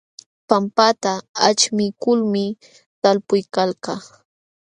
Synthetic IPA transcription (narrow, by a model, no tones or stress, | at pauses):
pampat̪aat͡ʃmɪkʊlmɪ | t̪alpʊjkalkɑ